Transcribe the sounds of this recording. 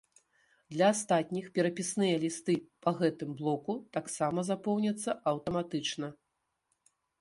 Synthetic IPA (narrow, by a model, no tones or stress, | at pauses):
d̪lʲɐast̪at̪ʲnʲixpʲɛɾɐpʲisnɨjɐlʲist̪ɨpɐɣɛt̪ɨmblˠɔkut̪aksamɐzapɔwnʲɐt̪sːɐɐwt̪ɐmat̪ɨt͡ʂnɐ